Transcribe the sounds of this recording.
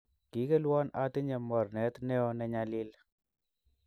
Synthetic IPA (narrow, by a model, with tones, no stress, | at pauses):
ki˨˦kɛ˦lwɔ˦na˨tɪ˦ɲɛ˨mɔ˨rnɛ˨˦tnɛ˦ɔ˦nɛ˨ɲa˨lɪ˦l